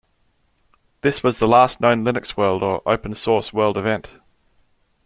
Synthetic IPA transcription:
ðɪswɒzðəlɑˑsnə̃ʊ̃nlɪnɪkswɜːlˠdəɹʔə̰ʊpə̃nsɔˑswɜːlˠdɪvɛ̃nt

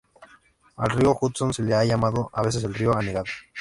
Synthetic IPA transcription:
a̰lrioxut̪sonseleaʝamaðoʔaβe̞s̬e̞s̬elrioaneɣaðo

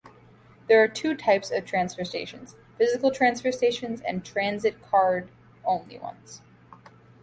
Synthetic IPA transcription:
ðə˞ːtʰʉtʰaɪpsʌv̥tʰɹ̥æ̃nsfə˞steɪʃɨ̃nz̥ | fɪzɨkl̩ˠtʰɹ̥æ̃nsfə˞steɪʃɨ̃nzɨ̰̃ntʰɹ̥æ̃nzɨt̚kʰɑɹɾ | õʊ̃nlḭwʌ̰̃nz̥

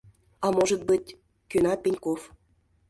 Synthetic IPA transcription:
ɑmoʒə̆t̪̚bɨtʲ | kønɑt̪̚penʲkof

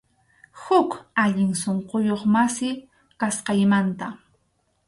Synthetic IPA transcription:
hʊkaʎɪŋsoɴqojoχmasɪ | kasqɑjmant̪a

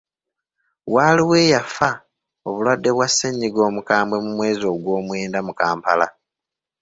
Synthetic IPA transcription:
waːliwe̞ːjafa | oβulwadːe̞βwasːeɲːiɡo̞ːmukaːmbwe̞mumwe̞ːzo̞ɡwo̞ːmweːndamukaːmpala̰

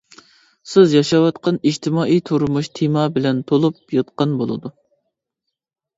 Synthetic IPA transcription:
sɪzjɑʃɑwɑt̪qɑnid͡ʒt̪ʰɪmɑːʔijt̪ʰuɾmuʃt̪ʰimɑbɪlɛnt̪ʰolˠup̚jɑt̪̚qɑnbolˠɨ̰d̪u

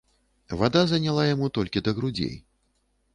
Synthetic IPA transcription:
vad̪azɐnʲalˠajamut̪ɔlʲkʲid̪ɐɣɾud͡zʲḛj

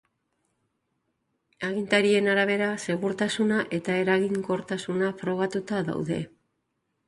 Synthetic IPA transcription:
aɣint̪aɾie̞naɾaβ̞e̞ɾase̞ɣuɾt̪asunaʔe̞t̪ae̞ɾaɣiŋko̞ɾt̪asunafɾo̞ɣ̞at̪ut̪aða̰wðe̞̰

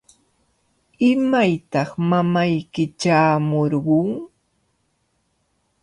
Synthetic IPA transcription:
ɪmajt̪ɑχmamajkɪt͡ʃaːmoɾɢʊŋ

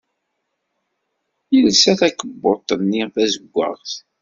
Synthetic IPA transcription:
jəlsæθækəbːot̪ˤːənːiʁfæzəɡʷːə̰ʁθ

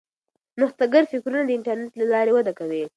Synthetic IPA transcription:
mʊxt̪aɡəɾfɪkɾunad̪əɪɳʈaɾneʈlalɑɾewad̪akawe

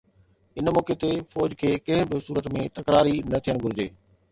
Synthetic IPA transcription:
ɪnmɔːket̪efɔːd͡ʑkʰeːkɐ̃ɦɪ̃bɪsuːɾət̪mẽt̪ɐkɾaːɾinɐt̪ʰijəɽ̃ɡʱʊɾɪd͡ʑeː

